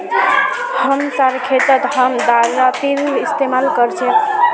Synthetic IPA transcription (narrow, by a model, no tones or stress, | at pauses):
həmsaɾkʰet̪ət̪ɦəmd̪aɾːapiɾist̪emalkəɾt͡ʃʰɛ̃